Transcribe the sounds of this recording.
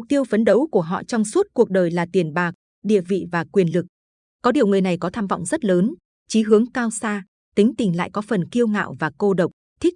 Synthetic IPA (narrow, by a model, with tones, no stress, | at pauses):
k̚t̪i˧əwfə˨˦nɗə˨˦wku˧˩əɦɔ̰˧˨t͡ɕɔ˧wŋ͡msu˦˥t̚ku˨˩ək̚ɗəː˨˩jlaː˨˩t̪i˨˩ənɓaː˨˩k̚ | ɗḭ˧˨əvḭ˧˨vaː˨˩kwi˨˩ənlɨ˨˩k̚ | kɔ˨˦ɗi˨˩əwŋ͡mŋɨ˨˩əjna˨˩jkɔ˨˦t̪ʰaː˧mvɔ̰˧˨wŋ͡mzə˦˥t̚ləː˨˦n | t͡ɕi˨˦ɦɨ˨˦əŋkaː˧wsaː˧ | t̪ï˨˦ŋ̟t̪ï˨˩ŋ̟la̰ː˧˨jkɔ˨˦fə˨˩nki˧əwŋa̰ː˧˨wvaː˨˩ko˧ɗə˨˩wk͡p̚t̪ʰï˦˥k̚